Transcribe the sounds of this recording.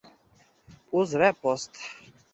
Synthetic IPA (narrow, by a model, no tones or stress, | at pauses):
puzɾɛpɔst̪